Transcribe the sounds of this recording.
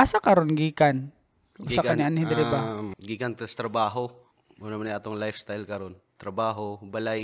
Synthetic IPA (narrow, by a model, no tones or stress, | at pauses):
ʔasakɐɾonɡiːkan | ʊsakaniʔanhɪd̪ɾɪbaɡiːkant̪st̪ɾɐbaːɦo | ʔunɐmanajʔaːt̪oŋlajfst̪ajlkɐɾon | t̪ɾɐbaːɦobalaj